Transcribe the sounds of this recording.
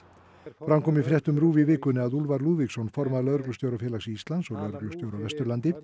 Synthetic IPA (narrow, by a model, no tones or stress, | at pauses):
fɾamkʰɔːmɪfɾjɛht̪ʏmɾuːvɪvɪːkʏnɪaðulvaɾluːviksɔnfɔɾmaðlœðɾʏklʏst̪jowɾafjɛːlasiist̪land̪sɔɣlœðɾʏklʏst̪jowɾavɛst̪ʏɾlant̪ɪ